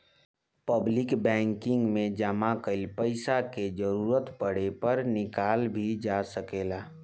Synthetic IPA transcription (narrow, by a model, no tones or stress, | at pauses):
pəblɪkbɛ̃ːŋkɪ̃ŋɡmẽd͡ʒəmakəɪlpəɪsaked͡ʒəɾuːɾət̪pəɽepəɾnɪkaːlbʱid͡ʒasəkeːlaː